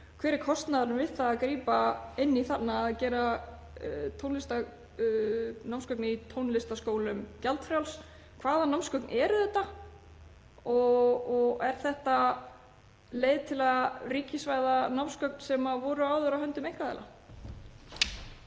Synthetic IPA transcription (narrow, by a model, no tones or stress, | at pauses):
kʰv̥ɛːɾɪɾkʰɔst̪naðaɾʏmvɪðθaːðkɾiːpaɪnːiθat̪naːðcɛːɾa | t̪ʰownlɪst̪a | nawmskœknɪit̪ʰownlɪst̪askoːwlʏmcalt̪fɾjawls | kʰvaːðanamskœknʔɛːɾʏθɛht̪ːa | ɔɔɣɛɾ̥θɛht̪a | leːjðt̪ʰɪlariːcɪsvaːjðanawmskœk̚nsɛmavɔɾʏaːwðʏɾahɦœʏnt̪ʏmejŋ̥kvaðɛ̰la̰